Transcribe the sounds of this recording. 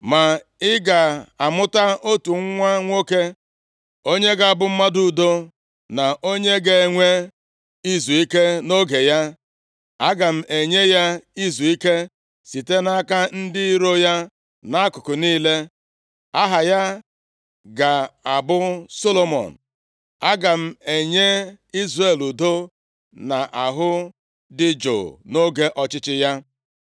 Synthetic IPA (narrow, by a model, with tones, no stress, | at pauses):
ma˨ | ɪ˦ɡa˨a˨mʊ˦ta˦ʔo˦tu˨ŋ̩˦ŋʷa˦ŋʷo˦ke˦ | o˦ɲe˦ɡa˨a˨bʊ˦m̩˦ma˦du˨do˦ | na˨ʔo˦ɲe˦ɡe˨ŋʷe˦ | i˦zu˨i˦ke˦no˦ɡe˨ja˦ | a˦ɡa˨m̩˨e˨ɲe˦ja˦i˦zu˨i˦ke˦ | si˨te˦na˦ka˦n̩˦dɪ˦i˦ɾo˦ja˦ | na˦a˦kʊ˨kʊ˨niː˦le˦ | a˦ɦa˨ja˦ | ɡa˨a˨bʊ˦so˦lo˦mɔ̰˨n̩˨ | a˦ɡa˨m̩˦e˨ɲe˦ | i˦zre˨lu˨do˦ | na˨ʔa˨ɦʊ˦ | dɪ˦d͡ʒo̰˨no˦ɡe˦ʔɔ˨t͡ʃɪ˦t͡ʃɪ˦ja˦